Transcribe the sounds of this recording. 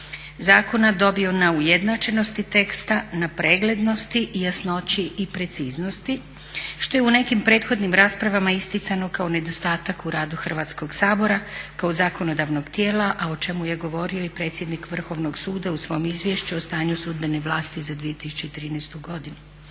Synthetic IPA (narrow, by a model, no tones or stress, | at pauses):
zaːko̞nad̪o̞bio̞naujed̪nat͡ʃe̞no̞st̪it̪e̞kst̪anapɾeːɡle̞d̪no̞st̪iʔijasno̞t͡ɕiʔːpɾe̞t̪siːzno̞st̪i | ʃt̪o̞jeune̞kimpɾe̞ːt̪xo̞d̪nimɾaːspɾaʋamaist̪it̪sano̞kao̞ne̞d̪o̞st̪aːt̪akuɾaːd̪uxr̩ʋaːt̪sko̞ɡsaːbo̞ɾakaozaːko̞no̞d̪aʋno̞ɡt̪jeːlaʔao̞t͡ʃe̞muje̞ɡo̞ʋo̞ɾio̞ipɾe̞t̪sje̞d̪nikʋr̩xo̞ʋno̞ɡsuːd̪ausʋo̞jomizʋjeʃt͡ɕuost̪aːɲusuːd̪̚beneʋlˠaːst̪izad̪ʋijet̪isu̥t͡ɕeit̪ɾiːnɛst̪uɡo̞d̪inu